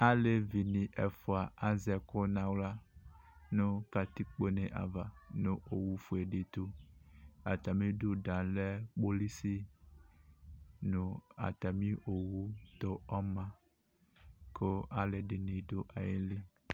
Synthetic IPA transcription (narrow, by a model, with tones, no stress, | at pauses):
a˦le˨vi˨nĩ˨ʔɛ˨fo˨a˨a˦zɛ˨ko˦nã˨wla˦ | nũ˦ka˨t̪i˦k͡po˦nẽ˨ʔa̰˨va˨nũ˦o˨wu˦fu˨e˨ɖe˨t̪u˦ | a˨t̪a˨mĩ˦do˦dã˨lɛ˦k͡po˦li˦si˦ | nũ˨a̰˨t̪a˨mĩ˦ʔo˨wu˦t̪o˦ɔ˦mã˦ | ko˦a˦le˨de˨nĩ˨˦do˦ʔa˨je˦li˦